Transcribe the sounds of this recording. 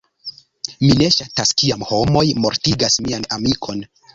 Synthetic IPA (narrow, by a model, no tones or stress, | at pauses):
mine̞ʃataskiamho̞mo̞jmo̞ɾtiɡasmianamikʰo̞n